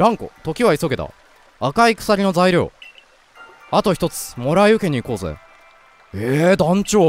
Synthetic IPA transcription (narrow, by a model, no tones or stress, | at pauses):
ɾãŋko̞̰t̪o̞kʲiβaiso̞ɡe̞d̪a̰ | akaikɯ̟̥saɾʲino̞zaiɾʲo̞̰ː | at̪o̞çi̥t̪o̞t͡sɨ̥mo̞ɾaijɯ̟ke̞ɲ̟iːko̞ːzḛ | ed̪ãɲ̟t͡ɕoː